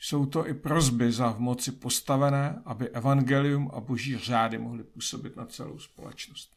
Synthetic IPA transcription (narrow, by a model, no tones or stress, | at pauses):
so̞wt̪o̞ʔɪpɾo̞zbɪzavmo̞t͡sɪpo̞st̪avɛnɛːʔabɪʔɛvanɡɛlɪjumʔa̰bo̞ʒiːr̝aːdɪmo̞ɦlɪpuːso̞bɪt̪nat͡sɛ̰lo̰wspo̞̰lɛ̰t͡ʃnost̪̚